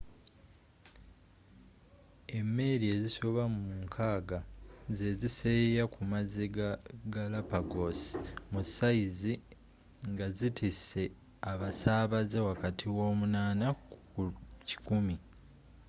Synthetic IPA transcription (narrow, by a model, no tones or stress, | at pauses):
e̞mːe̞ɾie̞ziso̞βammuŋkʰaːɡaze̞zisejakumaziɡalapaɡo̞si̥musaizi | ŋɡazitʰise̞ | aβasaːβazewakatʰiwo̞ːmunaːna | uci̥kumi